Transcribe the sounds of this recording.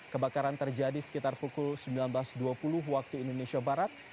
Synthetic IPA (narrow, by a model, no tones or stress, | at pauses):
kəbakaɾant̪ərd͡ʒadisə̥kit̪arpukʊlsəmbilanblasduapulʊɦwak̚t̪uindonesiabaɾat̪̚